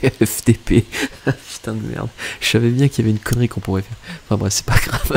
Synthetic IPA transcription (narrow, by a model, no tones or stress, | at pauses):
ɛfd̪epepy̥t̪ɛ̃d̪əmɛ̰ʁd̪ʒə̥savɛbjɛ̃kiljavɛynkʰɔnʁikɔ̃puʁɛfɛʁɑ̃fɛ̃bʁɛfsɛ̥paɡ̥ʁav